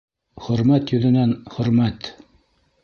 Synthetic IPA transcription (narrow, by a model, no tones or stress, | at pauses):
χɵ̆ɾmæt̪jɵ̆ðɘ̆nænχɵ̆ɾmæt̪